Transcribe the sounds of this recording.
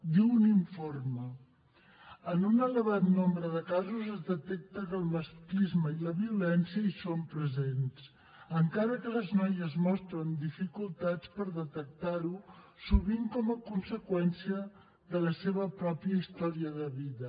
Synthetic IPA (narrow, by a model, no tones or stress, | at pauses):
d̪iwuniɱformə | ənunələβ̞at̪nombɾəðəkazuzəzðət̪ɛk̚t̪əkəlˠməsklizməiləβiulɛnsiəisompɾəzens | əŋkaɾəkələznɔjəzmɔst̪ɾənd̪ifikulˠt̪at͡spəɾðət̪ək̚t̪aɾu | suβiŋkɔməkunsəkwɛnsiə | ðələseβəpɾɔpiəist̪ɔɾiəðəβiðə